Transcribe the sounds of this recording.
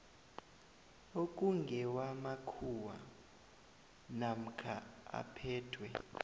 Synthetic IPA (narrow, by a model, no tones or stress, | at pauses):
ok̬ʼuŋɡʱɛwamakʰuwa̰ | nam̩kʰaa̰pʰɛːtʰwɛ